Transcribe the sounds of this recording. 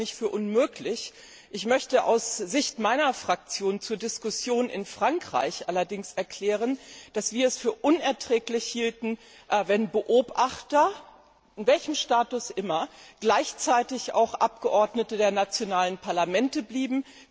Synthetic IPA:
nɪçtfyːɐʔʊnmøːklɪç | ʔɪçmœçtəʔa̰ʊsz̥ɪçtmaɪnɐfʁ̥ak̚t͡sjoːnt͡suːɐdɪskʊsjoːnʔɪ̰nfʁ̥aŋkʁ̥a̰ɪçʔalɐdɪŋsɛɐkʰl̥ɛːʁ̞ənd̥asv̥iːɐɛsfyːɐʔʊnɛɐtʁ̥ɛːklɪçhiːltn̩ | ʔvɛnbəʔoːpʔaχtɐ | ʔɪnvɛlçəmʃtaːtʊsʔɪmɐɡ̥laɪçt͡saɪtɪçʔa̰ʊxʔap̚ɡ̥əʔɔɐdnətədeːɐnat͡sjonaːlənpʰaɐlamɛntəbliːbm̩

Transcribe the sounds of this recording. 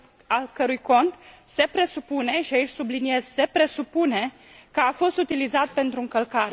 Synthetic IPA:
alkəɾujko̞nt̪se̞pɾe̞supune̞ʃiait͡ʃʲsublinie̞zse̞pɾe̞supune̞ | kəafo̞st̪ut̪ilizat̪̚pe̞nt̪ɾuɨŋkəlkaɾe

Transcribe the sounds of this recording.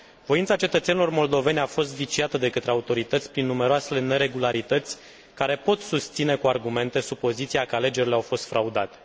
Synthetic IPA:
vo̞int̪sat͡ʃe̞t̪ət̪senilo̞rmo̞ld̪o̞ve̞nʲafo̞st̪vit͡ʃiat̪əd̪e̞kət̪ɾeaut̪o̞ɾit̪ət̪sʲpɾinːume̞ɾoasele̞ne̞ɾe̞ɡulaɾit̪ət̪sʲ | kaɾe̞po̞t̪sust̪sine̞kuarɡume̞nt̪e̞supo̞zit̪siakəale̞d͡ʒe̞ɾʲileawfo̞st̪fɾaud̪at̪e

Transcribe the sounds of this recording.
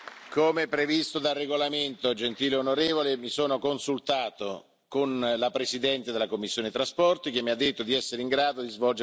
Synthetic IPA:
koːmepːɾevist̪od̪arːeɡolament̪od͡ʒent̪iːleonoɾeːvolemisoːnokonsult̪aːt̪o | konlapɾesid̪ɛnt̪ed̪elːakomːisːjoːnet̪ɾaspɔrt̪ik̟emːiad̪ːet̪ːod̪iɛsːeɾiŋɡɾaːd̪od̪izvɔld͡ʒe

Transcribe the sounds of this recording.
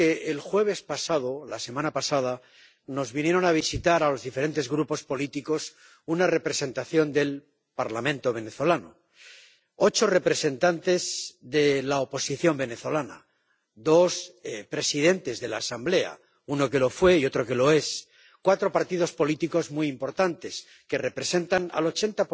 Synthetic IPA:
eelxwe̞β̞e̞spasað̞o̞lase̞mãnapasað̞a | no̞zβinje̞ɾo̞naβ̞isit̪aɾalo̞zðife̞ɾe̞nt̪e̞zɣɾupo̞spo̞lit̪iko̞s | unare̞pɾe̞se̞nt̪aθjo̞nd̪e̞l | paɾlamẽnt̪o̞β̞e̞neθo̞lano̰ | o̞t͡ʃo̞re̞pɾe̞se̞nt̪ant̪e̞zðe̞laopo̞siθjo̞mbe̞ne̞θo̞lana̰ | ðo̞spɾe̞sið̞e̞nt̪e̞zðe̞la̰ːsamble̞a̰ | uno̞ke̞lo̞fwe̞io̞t̪ɾo̞ke̞lo̞e̞s | kwat̪ɾo̞paɾt̪ið̞o̞spolit̪iko̞zmujimpo̞ɾt̪ant̪e̞s | ke̞re̞pɾe̞se̞nt̪ana̰lo̞t͡ʃe̞nt̪a

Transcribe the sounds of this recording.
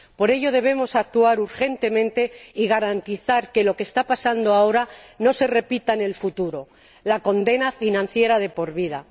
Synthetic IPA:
po̞ɾe̞ʝo̞ð̞e̞β̞e̞mo̞sak̚t̪uaɾuɾxe̞nt̪e̞mẽ̞nt̪e̞iɣaɾant̪iθaɾke̞lo̞keːst̪apasand̪oao̞ɾano̞se̞re̞pit̪aene̞lfut̪uɾo̞ | lako̞nd̪e̞nafinãn̟θje̞ɾað̞e̞po̞ɾβiða

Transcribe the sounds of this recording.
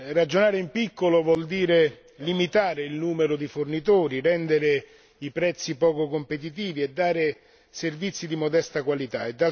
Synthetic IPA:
rad͡ʒːonaːɾeimpikːolovwɔld̪iːɾe | limit̪aːɾeilnuːmeɾʊd̪ifʊrnit̪uːɾirɛnd̪eɾe | ipɾɛt̪sːipɔːkokompet̪̬it̪̬iːviɛd̪ːaːɾe | servit̪sːid̪imod̪ɛst̪akwalit̪aed̪ːa

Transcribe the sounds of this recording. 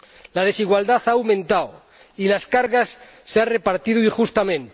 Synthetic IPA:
lað̞e̞siɣwald̪aθawmẽ̞nt̪aw | ilaskaɾɣasː | eanrepaɾt̪iðuixust̪amẽ̞nt̪

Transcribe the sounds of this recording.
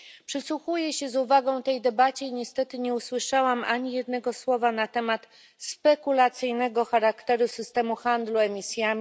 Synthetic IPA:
pʂɘswuxujɛɕɛzuvaɡɔ̃w̃t̪ɛjd̪ɛbat͡ɕɛiɲɛst̪ɛt̪ɘɲɛuswɘʂawamaɲijɛd̪nɛɡɔswɔvanat̪ɛmat̪ | spɛkulat̪sɘjnɛɡɔxaɾakt̪ɛɾusɘst̪ɛmuxand̪luɛmʲisʲjamʲi

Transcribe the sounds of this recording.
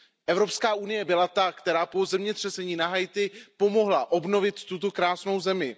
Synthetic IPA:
ʔɛvɾopskaːʔunɪjɛbɪlat̪akt̪ɛɾaːpo̞zɛmɲɛt̪r̥ɛsɛɲiːnaɦajt̪ɪpo̞mo̞ɦlaʔo̞bno̞vɪt̪ːut̪̬o̞kɾaːsno̞wzɛmɪ

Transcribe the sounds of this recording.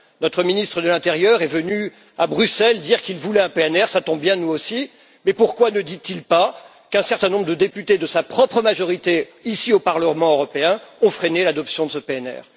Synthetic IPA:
nɔt̪χəminist̪χəd̪əlɛ̃t̪eʁjœʁɛvəny | abʁysɛld̪iʁkilvulɛɛ̃peɛnɛʁsat̪ɔ̃bjɛ̃nuosi | mɛpuʁkwanəd̪it̪ilpa | kɛ̃sɛʁt̪ɛ̃nɔ̃bʁəd̪əd̪epyt̪ed̪əsapχɔpχəmaʒɔʁit̪eisiopaʁləmɑ̃øʁɔpeɛ̃ɔ̃fχenelad̪ɔpsjɔ̃d̪əsəpeɛnɛ̰ːʁ

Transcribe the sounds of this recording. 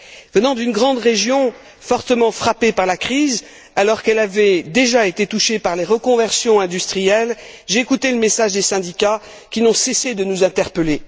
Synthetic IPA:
vənɑ̃d̪ynɡʁɑ̃d̪ʁeʒjɔ̃ | fɔʁt̪əmɑ̃fχapepaʁlakχiz | alɔʁkɛlavɛd̪eʒaet̪et̪uʃepaʁleʁəkɔ̃vɛʁsjɔ̃ɛ̃d̪yst̪χijɛlʒeːkut̪eləmesaʒd̪esɛ̃d̪ika | kʲinɔ̃sesed̪ənuzɛ̃t̪ɛʁpəle

